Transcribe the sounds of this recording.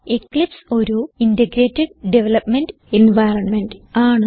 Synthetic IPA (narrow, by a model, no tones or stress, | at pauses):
eklipso̞ɾuindɐɡɾeːtːeɖɖeʋɐlɐpmenɖɨ | enʋajrɐnmenɖɨaːɳɨ